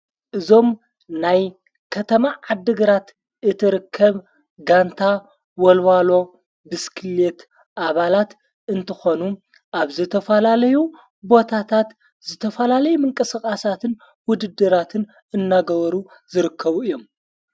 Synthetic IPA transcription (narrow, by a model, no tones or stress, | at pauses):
ʔɨzo̞m | naj | kʰɐt̪ʰɐmaʕad̪ːɨɡɨɾat̪ | ʔɨt̪ʰɨɾɨkʰːɐβ | ɡant̪ʰa | wɔlwalo̞ | bɨskʰɨlet̪ | ʔaβalat̪ | ʔɨnt̪ʰɐxo̞nu | ʔaβzɨt̪ʰɐfɐlalɐju | bo̞t̪ʰat̪ʰat̪ | zɨt̪ʰɐfɐlalɐjumɨŋkʼɨskʼasat̪ʰɨn | wʊd̪ɨd̪ːɨɾat̪ʰɨn | ɨnːaɡɐβɐɾu | zɨɾɨkʰːɐβuɨjːo̞m